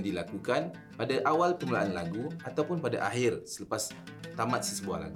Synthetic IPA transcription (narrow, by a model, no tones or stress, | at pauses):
ŋdilakukan | padaʔawalpəməlaʔanlaɡuat̪awpʊnpada̰ʔaɦɪrsələpas | t̪amat̪̚səsəbua̰hla̰ɡu